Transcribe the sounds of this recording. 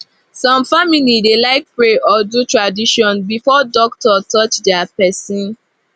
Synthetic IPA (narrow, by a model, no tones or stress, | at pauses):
sɔ̃mfamilidelaɪk̚pɹeʔɔdutɹadiʃɔ̃nbifɔdɔk̚tɔtɔt͡ʃdɛapɛsĩn